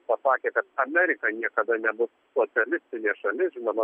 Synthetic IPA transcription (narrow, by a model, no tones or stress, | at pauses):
pɐsɑːkʲeːkɐt̪ɐmʲɛːɾʲɪkɐnʲiɛkɐd̪ɐnʲɛbʊs | soːsʲɛlʲɪsʲt̪ʲɪnʲeːʃɐlʲɪʒʲɪnɐmɐ